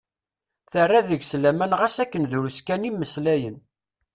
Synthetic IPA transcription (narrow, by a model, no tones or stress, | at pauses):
θərːæðəɡslæmænʁæsækːənðuɾuskænimːəslæjən